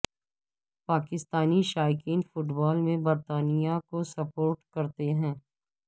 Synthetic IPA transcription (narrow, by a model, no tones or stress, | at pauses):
paːkɪst̪aːniʃaːɪkiːnfʊʈbaːlmẽbɐɾt̪aːnijakosɐpoːɾʈkɐɾt̪eɦɛ̃ː